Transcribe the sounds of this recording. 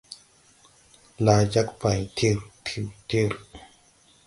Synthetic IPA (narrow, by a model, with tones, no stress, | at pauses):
laː˧t͡ɕa˧˦˥k̚pa˨˩jt̪ʰi˧ɾt̪ʰi˧˨˩wt̪ʰi˧˨ɾ